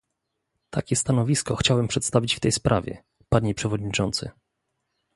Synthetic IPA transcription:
t̪ʰakʲɛst̪anɔvʲiskɔxt͡ɕawɛmpʂɛt̪st̪avʲit͡ɕft̪ɛjspɾavʲjɛ̰ | paɲepʂɛvɔd̪̚ɲit͡ʂɔnt̪sɘ̰

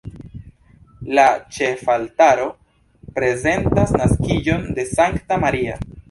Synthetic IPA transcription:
lat͡ʃe̞faltaɾo̞ | pɾe̞ze̞ntasnaskid͡ʒo̞nde̞saŋktamaɾia̰

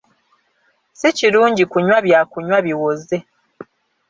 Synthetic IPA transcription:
siciɾuːɲɟikuɲwaβjakuɲwaβiwoze̞

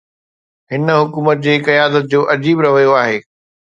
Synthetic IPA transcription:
ɦɪnə̆ɦʊkuːmət̪̚d͡ʑeːkɐjaːd̪ət̪̚d͡ʑoːʔɐd͡ʑiːbɾɐʋəjoaːɦeː

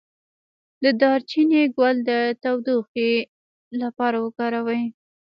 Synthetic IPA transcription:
d̪əd̪ɑɾt͡ʃineɡwald̪ət̪awd̪uxe | lapɑɾawəkɑɾawəj

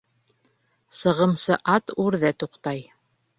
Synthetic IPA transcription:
sɤ̆ʁɤ̆msɤʔɑt̪ʉɾðæt̪uqt̪ɑj

